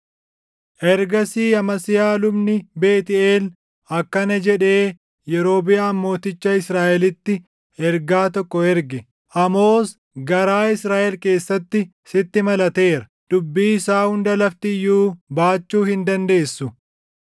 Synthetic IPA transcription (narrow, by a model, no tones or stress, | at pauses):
ʔɛɾɡɐsiːɐmɐsɪjaːlʊbnɪbe̞ːt̪ɪeːl | ɐkːɐnɐd͡ʒɛᶑe̞ː | jɛɾo̞ːbɪɐːmːo̞ːt̪ɪt͡ʃːɐɪsɾaːʔɛlɪt̪ːɪ | ɛɾɡaːt̪ɔkːɔɛɾɡɛ | ʔɐmo̞ːs | ɡɐɾaːɪsɾaːʔɛlke̞ːsːɐt̪ːɪ | sɪt̪ːɪmɐlɐt̪e̞ːɾɐ | d̪̥ʊbːiːɪsaːhʊnd̪ɐlɐft̪ɪɪjːuːbaːt͡ʃːuːhɪnd̪ɐnd̪e̞ːsːʊ